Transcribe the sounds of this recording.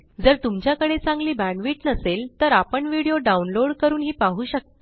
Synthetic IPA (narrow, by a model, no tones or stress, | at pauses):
d͡zəɾt̪umt͡ɕjakəɽet͡sãŋɡliːbæ̃ɳʋiːʈnəselt̪əɾapəɳʋiɽejoɖaunloɽkəɾuːnɦiːpaɦuːɕək̚t̪